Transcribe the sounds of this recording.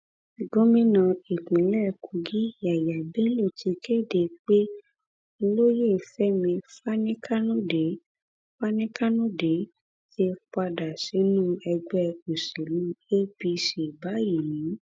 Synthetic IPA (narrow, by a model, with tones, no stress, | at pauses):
ɡõ˦mĩ˦nã˧i˨k͡pĩ˨˦lɛ˦˨kʰu˨˧ɡi˦˨˦a˨ja˨bɛ˦lo˦˨tʰi˧ke˦˨de˧k͡pe˦˧ | lo˦je˦˨fɛ˦mĩ˧fa˦nĩ˦kʰa˦nũ˦de˨˦ | fa˦nĩ˦ka˦nũ˦de˨˦ | te˧k͡pa˧da˨si˨˦nũ˦ɛ˧ɡ͡bɛ˦u˨se˨lũ˨˦e˦bi˧ʃe˨ba˨˦ji˨nĩ˨˦